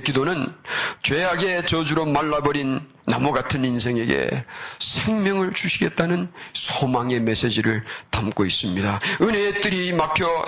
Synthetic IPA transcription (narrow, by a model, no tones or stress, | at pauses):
kidonɯnt͡ɕweɦaɡe̞t͡ɕʌd͡ʑuɾomaɭːabʌɾinː | a̰mʌɡatʰɯnins̬ʰe̞ŋe̞ɡe̞̰sʰe̞ŋmjʌŋɯɭt͡ɕuɕʰiɡe̞t̚t͈anɯnsʰomaŋe̞me̞s͈e̞d͡ʑiɾɯɭtamk͈ois͈ɯmɲidaɯnɦet͈ɯɾimapʰjʌ